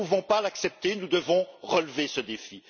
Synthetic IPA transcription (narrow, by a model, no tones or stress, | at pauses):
uvɔ̃palaksɛp̚t̪enud̪əvɔ̃ʁəlvesəd̪efi